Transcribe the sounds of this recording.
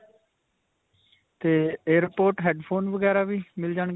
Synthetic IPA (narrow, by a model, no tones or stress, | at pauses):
t̪eːeːɾpoːɾʈɦɛːɖpʰoːnʋəɡɛːɾaːʋiːmɪld͡ʒaːɳɡ